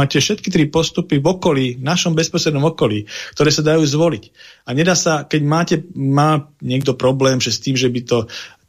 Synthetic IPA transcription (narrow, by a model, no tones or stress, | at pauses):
aːcɛfʃɛt̪kit̪ɾipɔst̪upivɔkɔliːvnaʃɔmbɛspɔsɾɛd̪nɔmɔkɔliːkt̪ɔɾɛːsad̪ajuːzʋɔlicaɲɛd̪aːsakɛɟmaːcɛmaːɲɪɛɡd̪ɔpɾɔblɛːmʒɛst̪iːmʒɛbit̪ɔ